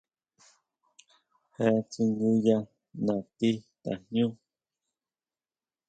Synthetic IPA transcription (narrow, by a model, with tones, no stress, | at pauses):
he˧˦˧t͡si˧ŋɡu˧ja˧ | nã˨t̪i˦t̪a̰˨hjũ˦